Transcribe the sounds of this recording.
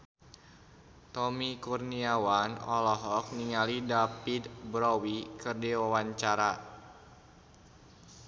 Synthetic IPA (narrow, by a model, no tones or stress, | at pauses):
t̪ɔmikurniawanɔ̰lɔɦɔk̚niŋalidapid̪bɾɔwikərdiwawaɲt͡ʃaɾa